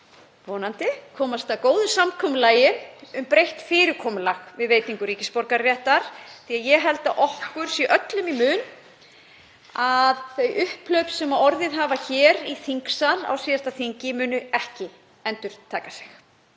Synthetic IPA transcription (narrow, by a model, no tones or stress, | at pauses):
vɔːnant̪ɪkʰɔːmast̪awkoːwðʏsamkʰɔmʏlaːjɪʏmpɾejht̪fɪːɾɪɾkʰɔːmʏlaxvɪðveːjt̪iŋkʏɾiːcɪspɔɾkaɾːjɛht̪aɾ̥θiːaðjɛɣɦɛlt̪aʔɔhkʏɾ̥siʔœt̪lʏmimʏːn | aðθejʔʏhplœɥpsːɛmaɔɾðɪðɦaːvaçɛːɾiθiŋksala̰wsiːðast̪aθiɲcɪmʏːnʏɛhcɪ | ɛnt̪ʏɾ̥t̪ʰaːkasɪ̥x